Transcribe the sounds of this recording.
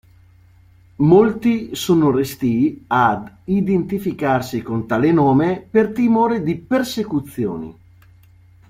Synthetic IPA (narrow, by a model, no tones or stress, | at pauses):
molt̪isoːnorest̪iad̪ | id̪ent̪ifikarsikont̪aːlenoːmepert̪imoːɾed̪ipersekut̪sːjo̰ːnḭ